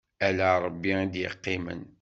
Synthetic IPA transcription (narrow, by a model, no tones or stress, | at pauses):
ælæɾˤəbːiid̪jə̰qːɪmə̰n